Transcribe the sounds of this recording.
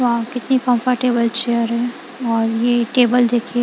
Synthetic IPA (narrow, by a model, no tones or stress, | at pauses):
oɦãkɪt̪nikɐ̃mfəɾʈeːbəlt͡ʃeːjəɾɦɛ̃ | ɔːɾjeʈeːbəld̪eːkʰie